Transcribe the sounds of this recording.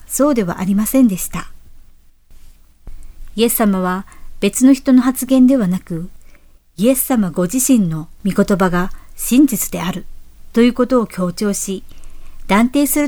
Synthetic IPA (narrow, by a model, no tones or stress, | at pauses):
so̞ːd̪e̞β̞a̰ʔaɾʲimasẽ̞nd̪e̞ɕi̥t̪a | ie̞ssamaβab̥e̞t͡sɨno̞çi̥t̪o̞no̞ɦat͡sɨɡẽ̞nd̪e̞β̞anakɯ̟ | ie̞ssamaɡo̞ʑiɕĩnːo̞mʲiko̞t̪o̞baɡaɕĩɲ̟d͡ʑit͡sɨ̥d̪e̞aɾɯ̟t̪o̞jɯ̟ːko̞t̪o̞ːkʲo̞ːt͡ɕo̞ːɕid̪̥ãnt̪e̞ːsɨɾɯ̟